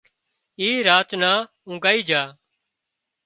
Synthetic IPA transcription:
iːɾaːt̪naː | ʊ̃ːɡaːiːd͡ʒaː

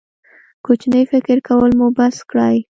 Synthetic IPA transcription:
kot͡ʃnəjfɪkɪɾkʰawəlmubaskɽaj

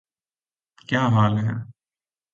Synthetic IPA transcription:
kjaːɦaːlɦɛ̰̃ː

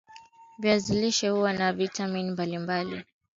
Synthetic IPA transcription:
viaziliʃɛhuwanavitaminimbalimbali

